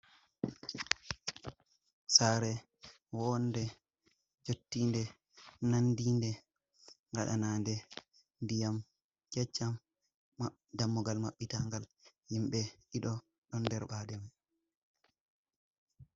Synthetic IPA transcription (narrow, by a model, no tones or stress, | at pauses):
saːɾɛ | wɔndɛ | d͡ʒotːiːndɛ | nandiːndɛ | ŋɡaɗa̰naːndɛ | ndijam | kɛt͡ʃːam | damːuɡalmaɓːitaŋɡal | himɓɛʔiɗɔ | ɗɔndɛɾɓaːdɛm